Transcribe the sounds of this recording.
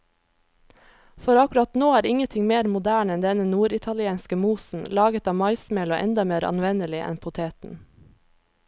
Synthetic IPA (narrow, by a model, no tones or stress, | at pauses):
fɔɾɑkʉɾɑt̪noːæːɾɪŋənt̪ʰɪŋmeːɾmʊd̪æːɳɛnd̪ɛnənuːɾɪt̪ʰɑlɪeːnskəmuːsn̩lɑːɡət̪ɑːmɑɪsmeːlo̰ːʔɛ̰nd̪ɑmeːɾɑ̰nʋɛnəlɪʔɛ̰npʰʊt̪ʰeːt̪n̩